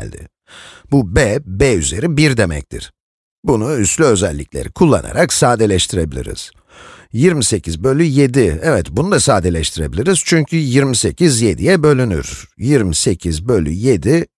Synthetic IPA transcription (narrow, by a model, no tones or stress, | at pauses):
lʲd̪ɪ̰ | bubɛbeyze̞ɾibiɾd̪e̞mɛ̰c̚t̪ʰḭɾ̥ | bunuyst̪lʲyø̞zælʲːiclʲe̞̰ɾikʰulˠːa̰na̰ɾaksaːd̪elʲɛʃt̪ʰiɾe̞bilʲḭɾḭz̥ | jiɾmise̞cʰizbø̞lʲːyje̞d̪iɛvɛt̪bunud̪asaːd̪elʲɛʃt̪ʰiɾe̞bilʲiɾiz̥t͡ʃʰyɲcʰyjiɾmise̞cʰizje̞d̪ijɛbø̞lʲyny̰ɾ̥jiɾmisecʰizbø̞lʲyje̞d̪i